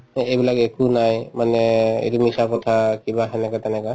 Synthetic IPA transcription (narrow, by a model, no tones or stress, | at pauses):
ejbilakekunajmanɛḛtumisakɔtʰakibaɦɛnɛkatɛnɛka